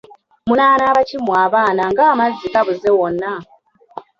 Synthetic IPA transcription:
munaːnaːβacimwaːβaːnaŋɡaːmazːikaβuzewonːa

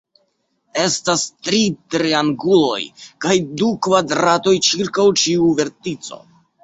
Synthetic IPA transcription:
e̞stastɾitɾiaŋɡulo̞̰jkajdukvadɾato̞jt͡ʃiɾkawt͡ʃiuve̞ɾtit͡so̞̰

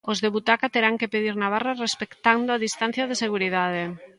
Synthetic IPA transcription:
ozðeβut̪akat̪eɾaŋkepeðiɾnaβararespekt̪and̪oaðist̪an̟θjaðeseɣ̞uɾiðað̞e

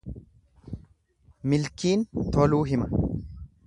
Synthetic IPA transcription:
mɪlkiːnt̪ɔluːɦɪmɐ

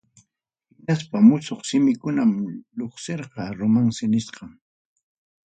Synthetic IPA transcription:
hɪnaspamʊsoχsɪmɪkʊnamʎoχseɾqɑɾʊmaŋsɪnɪsqɑŋ

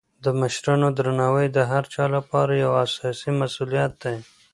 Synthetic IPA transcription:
d̪əmɪʃɾɑnod̪ɾanɑwəjd̪əɦaɾt͡ʃɑlapɑɾajawasɑsimasulijat̪̚d̪ej

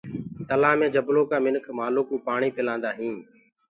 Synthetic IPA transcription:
t̪əlaːmẽːd͡ʒəbloːkaːmɪnkʰmaːloːkuːpaːɳiːpɪlãːnd̪aːɦĩː

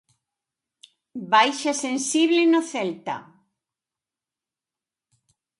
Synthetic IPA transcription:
bajʃasensiβlɪnʊθɛlt̪a̰

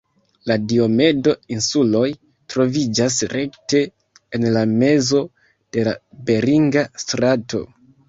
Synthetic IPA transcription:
ladio̞me̞do̞insulo̞j | tɾo̞vid͡ʒas̬ɾe̞kte̞ː | nlame̞zo̞ | d̥e̞la̰be̞ɾiŋɡastɾato̞̰

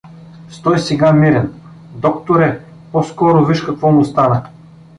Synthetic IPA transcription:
st̪ɔjsɛɡamiɾɛn | d̪ɔkt̪oɾɛ | pɔskɔɾoviʃkɐkvɔmʊst̪anə

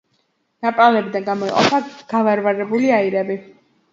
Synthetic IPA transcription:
napʼalɛbid̪anɡamɔiqʼɔ̰pʰaɡ̥avaɾvaɾɛbuliaiɾɛbi

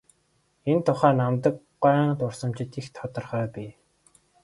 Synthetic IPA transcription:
ent̪ʰʊχæːnamt̪ə̆k | ɢaːnt̪ʊrsə̆mt͡ɕɪ̆t̪ixt̪ʰɔt̪ɞ̆rχœːpʲiː

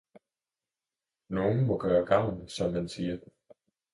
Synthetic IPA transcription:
no̝ːn̩mɔ̽ɡ̥œːɐɡ̥ɑ̈ʊ̰nsɒ̽mːænsiːɐ

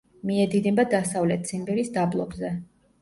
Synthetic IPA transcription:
miɛd̪id̪ɛbad̪asavlɛt̪̚t̪sʰimbɛɾisd̪ablˠɔbzɛ

